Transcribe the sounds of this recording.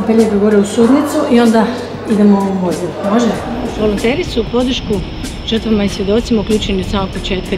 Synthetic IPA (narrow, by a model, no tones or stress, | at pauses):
mpelʲieɡoʋoɾeusud̪nit̪suʔio̞nd̪a | id̪e̞moumozilmoʒɛʋo̞lont̪e̞ːɾisupo̞d̪ɾr̩ʃku | ʒ̥ər̩t̪ʋamaisjed̪o̞t̪simaukʲlʎuːt͡ʃenioaːmo̞ɡ̚po̞t͡ʃe̞ːt̪̚ka